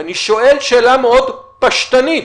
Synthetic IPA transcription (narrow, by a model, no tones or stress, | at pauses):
aniʃoʔelʃeːlameod̪paʃt̪ani